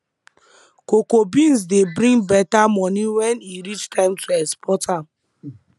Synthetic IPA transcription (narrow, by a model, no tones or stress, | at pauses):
kokobĩns̬debɾĩŋbɛtamɔniwɛniɾit͡ʃtʰãɪmtʰuɛspʰɔtʰam̩